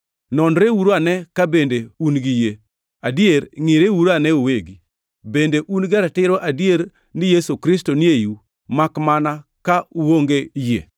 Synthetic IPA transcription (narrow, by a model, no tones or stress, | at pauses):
nɔnɾewuɾoanɛkabendeunɡije | adjeɾŋɪɾewuɾanɛuweɡi | bendeʔunɡaɾatɪɾoʔadjeɾ | nɪjesokɾɪstonɪeju | makmanakauwoŋɡejḛ